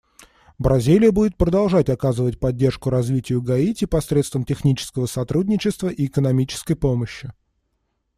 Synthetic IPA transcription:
bɾʔɐzʲilʲɪjəbudʲɪt̪̚pɾəd̪ɐlˠʐatʲɐkazɨvət̚ʲpɐd̚ʲːe̞rʂkʊɾɐzvʲitʲɪjʊɡɐitʲɪpɐsɾʲet̪st̪vəmtʲɪxnʲit͡ɕɪ̥skəvəsɐt̪ɾudʲnʲɪt͡ɕɪst̪vəʔiɪkənɐmʲit͡ɕɪ̥skəjpoməɕːɪ

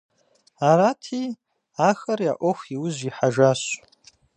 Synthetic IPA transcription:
aɾatʰi | axaɾjaʔʷoxʷiwʊzʷiħaʒas

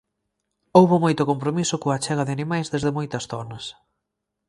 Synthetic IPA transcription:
owβʊmojt̪ʊkompɾomisʊkoɐt͡ʃɛɣɐðɪanimajzðezðɪmojt̪ɐsθɔnɐs

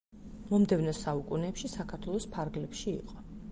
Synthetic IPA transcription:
mɔmd̪ɛvnɔsaukʼunɛpʃisakʰaɾt̪ʰwɛlˠɔspʰaɾɡlɛpʃḭːqʼɔ

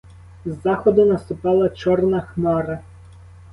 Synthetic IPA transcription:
zːɑxɔd̪ʊnɐst̪ʊpɑlˠɐt͡ʃɔrnɐxnɔɾɐ

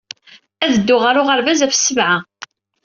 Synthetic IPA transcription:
æðəd̪ːʊʁaɾʊʁəɾvæzæfə̥sːəvʕa

